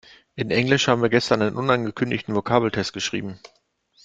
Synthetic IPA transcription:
ʔɪnʔɛŋlɪʃhaːbm̩viːɐɡɛstɐnʔaɪnənʔʊnanɡəkʰʏndɪçtn̩vokʰaːbl̩tʰɛst̚ɡ̥əʃʁ̥ḭːbm̩

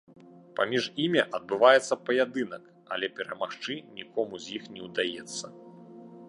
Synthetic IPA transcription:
pamʲiʐimʲiʔɐd̪̚bɨvajɛt̪sːɐpɐjad̪ɨnɐk | ɐ̰lʲɛpʲɛɾɐmaxt͡ʂɨnʲikɔmuzʲjixnʲɛwd̪ajɛt̪sːɐ

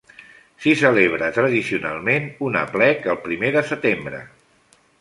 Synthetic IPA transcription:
sisəleβ̞ɾət̪ɾəðisiuna̰lˠmenunə̰plɛkəlˠpɾimeðəsət̪embɾə̰

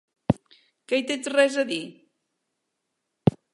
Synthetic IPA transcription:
kəjt̪et͡ʃrɛzəði

